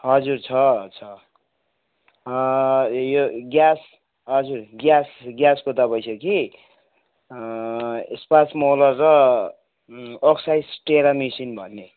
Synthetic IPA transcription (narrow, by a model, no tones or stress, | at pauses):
ɦʌd͡zurt͡sʰʌt͡sʰʌ | joɡjas | ɦʌd͡zurɡjasɡjaskot̪ʌbʌjsʰeki | espasmolʌrːʌ | ksajsʈeɾamisinbʱʌnːe